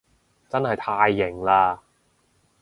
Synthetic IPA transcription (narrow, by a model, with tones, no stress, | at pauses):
t͡sɐ˥nhɐ˨jt̪ʰaː˧jːɪ˨˩ŋlaː˧